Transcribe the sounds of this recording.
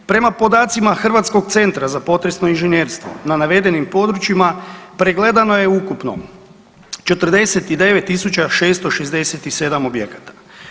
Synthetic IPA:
pɾe̞mapo̞d̪aːt̪simaxr̩ʋat̪sko̞ɡt̪se̞nt̪ɾazapo̞t̪ɾesno̞inʒenjeːɾst̪ʋo̞̰nanaʋe̞d̪e̞nimpo̞d̪ɾut͡ʃimapɾeɡle̞d̪ano̞jeukupno̞̰ | t͡ʃe̞t̪r̩d̪e̞set̪id̪e̞ʋet̪ːisut͡ʃaʃe̞ːst̪oʃe̞zd̪e̞set̪ise̞d̪amobjekat̪ḁ

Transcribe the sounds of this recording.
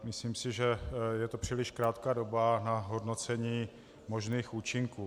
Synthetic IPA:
mɪsliːmsɪʒɛjɛt̪o̞pr̝̥ɪlɪʃkɾaːt̪kaːdo̞banaɦo̞dno̞t͡sɛɲiː | mo̞ʒniːxuːt͡ʃɪŋkuː

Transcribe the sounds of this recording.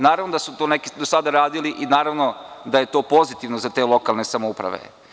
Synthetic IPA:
naːɾaʋnod̪asut̪oːnekid̪osad̪aɾaːd̪iliʔinaːɾaʋno̞d̪aje̞t̪o̞ːpo̞zit̪iʋnozat̪eːlˠo̞kalˠne̞samoupɾa̰ʋḛ

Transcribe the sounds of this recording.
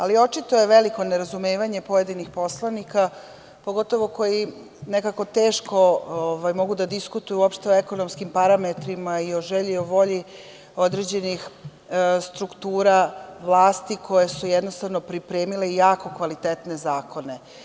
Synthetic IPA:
alio̞t͡ʃit̪oje̞ʋeliko̞neɾazumeːʋaɲe̞po̞je̞d̪inixpo̞slˠanika | po̞ɡo̞t̪o̞ʋo̞ko̞ji | ne̞kako̞t̪eːʃko̞oʋajmo̞ɡud̪ad̪iskut̪ujuopʃt̪e̞oeko̞nomskimpaɾamet̪ɾimaio̞ʒeʎioʋo̞ʎi | o̞d̪ɾe̞ːd͡ʑe̞nix | st̪ɾukt̪uːɾaʋlaːst̪ikʰo̞je̞sujed̪no̞st̪aʋno̞pɾipɾeːmile̞jaːko̞kʋalit̪et̪ne̞zaːkʰo̞ne̞

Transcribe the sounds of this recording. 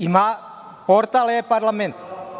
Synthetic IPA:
ima | poɾt̪alepaɾlamẽnt̪

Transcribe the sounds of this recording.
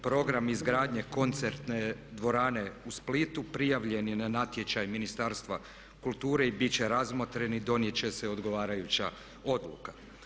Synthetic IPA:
pɾo̞ɡɾamizɡɾaːd̪ɲe̞ko̞nt̪seɾt̪ned̪ʋo̞ɾaːne̞usplit̪upɾijaʋʎe̞njenanat̪je̞t͡ɕajminist̪aːɾst̪ʋa | kulˠt̪uːɾe̞ibit͡ɕe̞ɾazmot̪ɾe̞nid̪o̞nje̞t͡ɕe̞seo̞d̪ɡo̞ʋaːɾajut͡ɕa | o̞d̪lṵkḁ

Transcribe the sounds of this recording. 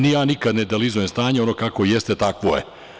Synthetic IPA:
nijaːnikad̪ned̪elizojemst̪aːɲeonokako̞jest̪et̪akʋojḛ

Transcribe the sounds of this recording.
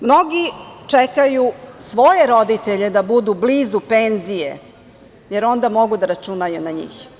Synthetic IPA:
mno̞ɡit͡ʂekajusʋo̞jeɾo̞d̪it̪eʎe̞d̪abud̪ublizupenzijḛ | je̞ɾo̞nd̪amo̞ɡud̪aɾat͡ʃunajunaɲḭːx

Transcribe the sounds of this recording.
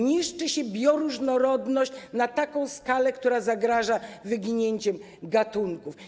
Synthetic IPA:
ɲiʂt͡ʂɘɕɛbʲjɔɾuʐnɔɾɔd̪nɔɕt͡ɕnat̪akɔ̃w̃skalɛkt̪uɾazaɡɾaʐavɘɡʲiɲeɲt͡ɕɛm | ɡat̪uŋkuf

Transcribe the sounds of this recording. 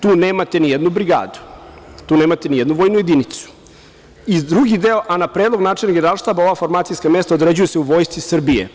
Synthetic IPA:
t̪uːneːmat̪enijɛd̪nubɾiɡa̰ːd̪u̥t̪uːne̞ːmat̪enijed̪nuʋo̞ːjnuje̞d̪init̪su̥ | id̪ɾuɡid̪eoʔanapɾed̪lo̞ɡnaːt͡ʃelnaɡeneɾaːlˠʃt̪aːbaoʋafoɾmaːt̪sijskame̞st̪ao̞d̪ɾed͡ʑujeseuʋoːjst̪sisr̩bijḛ

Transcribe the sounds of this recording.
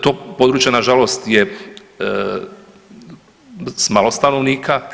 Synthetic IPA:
t̪opoːd̪ɾuːt͡ʃjenaʒalo̞st̪je | smalˠo̞st̪anoʋniːkʰa

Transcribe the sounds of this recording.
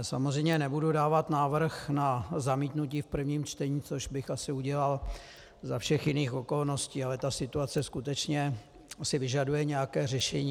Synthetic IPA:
samozr̝ɛjmɲɛnɛbududaːvat̪naːvr̩xnazamiːt̪nuc̬iːfpr̩vɲiːmt͡ʃt̪ɛɲiːt͡so̞ʒbɪxasɪuɟɛlal | zafʃɛxjɪniːxo̞ko̞lno̞sciːalɛt̪asɪt̪uat͡sɛskut̪ɛt͡ʃɲɛ | sɪvɪʒadujɛɲɛjakɛːrɛʃɛɲiː

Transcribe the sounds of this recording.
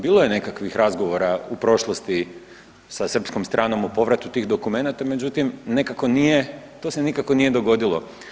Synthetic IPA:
biːlˠoje̞ne̞kakʋixɾazɡo̞ʋo̞ɾaupɾo̞ʃlˠost̪i | sasr̩pskomst̪ɾʔaːno̞mupo̞ʋɾat̪ːut̪iːɣd̪o̞kume̞nat̪ame̞d͡ʑut̪imne̞kako̞nije̞t̪o̞se̞nikako̞nije̞d̪o̞ɡo̞d̪ilˠo̞̰

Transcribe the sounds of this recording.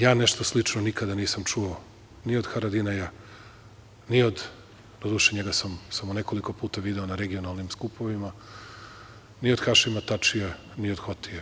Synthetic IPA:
jaːne̞ʃt̪o̞slˠit͡ʃnonikad̪aniːsamt͡ʃuo | nio̞d̪xaɾad̪inaja | niod̪ | d̪od̪uːʃeɲeɡasamsamoneko̞liko̞puːt̪aʋid̪e̞onaɾeɡionalˠnimskupoʋima | nio̞d̪xaʃimat̪at͡ʃija | nio̞d̪xot̪ie

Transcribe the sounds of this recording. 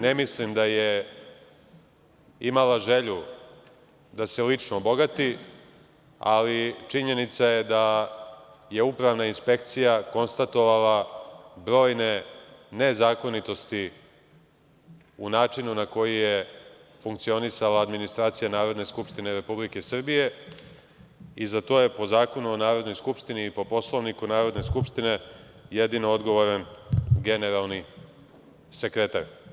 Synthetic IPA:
nemislimd̪aje | imalaʒe̞ʎu | d̪ase̞lit͡ʂnobo̞ɡat̪i | a̰lit͡ʂiɲe̞nit̪saje̞d̪a | je̞upɾaʋnainspe̞k̚t̪sijako̞nst̪at̪o̞ʋalabɾo̞ːjne̞ne̞zaːkonit̪o̞st̪i | unaːt͡ʂinunako̞jijefuŋkt̪sio̞nisalaːd̪minist̪ɾaːt̪sijanaːɾo̞d̪ne̞skupʃt̪ine̞ɾe̞publike̞sr̩bije̞ | izat̪o̞ːje̞po̞zaːko̞nuonaːɾo̞d̪nojskupʃt̪iniːpo̞po̞slˠoʋnikunaːɾo̞d̪ne̞skupʃt̪ine̞ | jed̪inood̪ɡo̞ʋo̞ɾanɡe̞ne̞ɾalˠni | se̞kɾe̞t̪a̰ɾ

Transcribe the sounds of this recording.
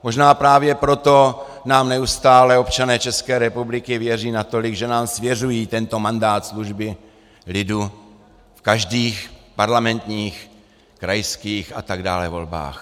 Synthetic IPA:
mo̞ʒnaːpɾaːvjɛpɾo̞t̪o̞ | naːmnɛust̪aːlɛo̞pt͡ʃanɛːt͡ʃɛskɛːɾɛpublɪkɪvjɛriːnat̪o̞lɪɡʒɛnaːmsvjɛrujiːt̪ɛnt̪o̞mandaːt̪sluʒbɪ | lɪdu | fkaʒdiːxpaɾlamɛnt̪ɲiːx | kɾajskiːxa̰t̪aɡdaːlɛvo̞̰lba̰ːx

